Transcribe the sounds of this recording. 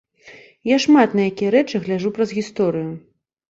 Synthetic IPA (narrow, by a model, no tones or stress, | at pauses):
jaʂmat̪nɐjakʲijɛɾɛt͡ʂɨɣlʲaʐupɾɐzɣʲist̪ɔɾɨju